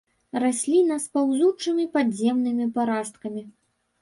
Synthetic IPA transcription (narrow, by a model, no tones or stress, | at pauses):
rasʲlʲinɐspawzut͡ʂɨmʲipadzʲɛmnɨmʲipaɾast̪kɐmʲi